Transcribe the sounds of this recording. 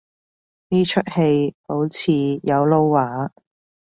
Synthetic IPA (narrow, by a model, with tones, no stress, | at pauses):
niː˥t͡ʃʰɵ˥t̚he˧jpo˨˥wt͡sʰiː˧jɐ˨˧wlo˥wːaː˨˥